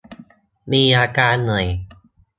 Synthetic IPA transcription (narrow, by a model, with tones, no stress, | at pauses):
miː˧ʔaː˧kaː˧nːɤ˨˩j